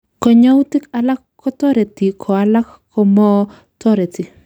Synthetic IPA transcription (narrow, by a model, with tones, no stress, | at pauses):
kɔ˨ɲa˦u˦tɪ˦ka˨la˦kːɔ˦tɔ˦ɾe˨ti˨kʰɔ˨a˦la˦kʰː | ɔ˦mɔ˦ | tɔ˦ɾe˨ti˨